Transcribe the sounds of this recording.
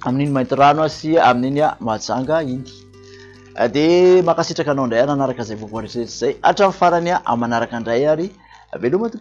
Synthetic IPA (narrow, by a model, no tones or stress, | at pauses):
amininimajnt̪iranasiamininamad͡zaŋɡəind̪i̥ | d̪emakasiʈ͡ʂakanawɳɖ͡ʐajananaɾakəzajbuvuanɾeʈ͡ʂiɾetiz̥aja̰ʈ͡ʂamifaɾanaʔa̰mːanaɾakaɳɖ͡ʐajaɾi | velumat̪uk